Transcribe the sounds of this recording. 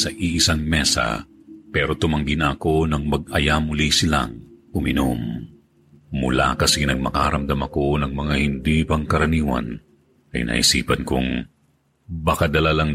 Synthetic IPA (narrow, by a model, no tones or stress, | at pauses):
sɐʔiʔɪsaŋmɛsɐ̰ | pɛɾo̞t̪ʊmɐŋɡɪnɐɐko̞nɐŋmɐɡ̚ɐjamʊlisɪla̰ŋʔʊmɪnom | ʊ̰la̰kɐsinɐɡ̚mɐkaːɾɐmd̪ɐmɐko̞nɐŋmɐŋahɪnd̪ipɐŋkɐɾɐniːwɐ̰n | ɐ̰jnʔa̰ːʔhɪ̰siːpɐnkʊŋ | bɐkad̪ɐlalɐŋ